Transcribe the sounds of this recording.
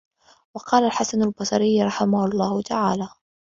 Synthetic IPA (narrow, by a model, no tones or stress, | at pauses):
wɑqɑːlalħasanalbɑsˤɑɾɪjːɾˤɑħɪmahʊlˤːɑːhʊt̪aʕaːlaː